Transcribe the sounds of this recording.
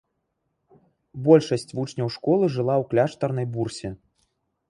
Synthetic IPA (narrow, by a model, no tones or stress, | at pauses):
bɔlʲʂɐsʲt͡sʲvut͡ʂnʲɐwʂkɔlˠɨʐɨlˠawklʲaʂt̪ɐrnɐjbursʲɛ